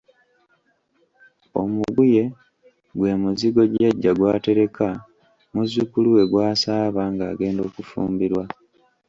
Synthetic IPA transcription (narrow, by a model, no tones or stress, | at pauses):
o̞muɡuje̞ | ɡwe̞muziɡo̞ɟaɟːaɡwaːte̞ɾe̞kʰa | muzukuluwe̞ɡwaːsaːβaŋɡaːɡe̞ːndo̞ːkufṵːmbiɾwa